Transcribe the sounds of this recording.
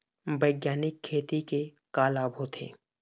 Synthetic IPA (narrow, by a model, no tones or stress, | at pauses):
bəɪɡjaːnɪkʰːeːt̪ike | kaːlaːbʱot̪ʰḛː